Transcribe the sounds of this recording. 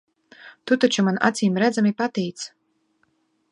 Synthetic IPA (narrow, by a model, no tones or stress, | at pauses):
t̪ut̪at͡ʃumana̰t̪siːmɾæd̪zamipat̪ɛjt̪s